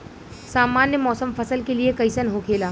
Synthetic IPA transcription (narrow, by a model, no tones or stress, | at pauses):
saːmaːnjəmɔːsəmfɐsəlkeliekɐɪsənɦokʰeːlaː